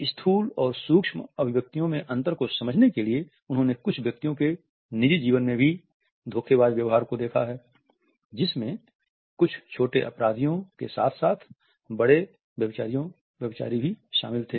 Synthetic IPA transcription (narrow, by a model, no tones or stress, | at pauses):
ɪst̪ʰuːlɔːɾsuːkʃmɐbʱɪʋjək̚t̪ijõmẽʔɐ̃nt̪əɾkosɐməd͡ʒʱnekelie | ʊnɦõnekʊt͡ʃʰʋjɐk̚t̪ijõke | nɪd͡ʒid͡ʒiːʋənmẽbʱi | d̪ʱoːkʰeʋaːd̪ʋjɐʋɦaːɾkod̪eːkʰa̰ɦɛː | d͡ʒɪsmẽ | kʊt͡ʃʰt͡ʃʰoːʈeʔɐ̰pɾaːd̪ʱijõkḛsa̰ːt̪ʰsaːt̪ʰ | bɐɽe | bjɐbɪt͡ʃaːɾijõ | ʋjɐbɪt͡ʃa̰ːɾibʱiʃa̰ːmɪlt̪ʰeː